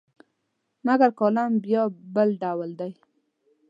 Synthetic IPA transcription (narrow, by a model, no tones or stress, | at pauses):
maɡaɾkɑlambjɑbəlɖawəld̪aj